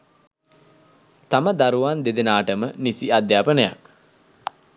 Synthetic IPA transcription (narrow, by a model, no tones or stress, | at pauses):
t̪aməd̪aɾuʋand̪ed̪enaːʈəmənisiad̪jaːpənəja̰k